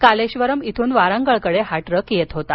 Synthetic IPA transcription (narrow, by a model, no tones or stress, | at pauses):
kaleɕʋəɾəmit̪ʰuːnʋaɾãŋɡəɭkəɽeɦaʈɾəkjet̪ɦot̪a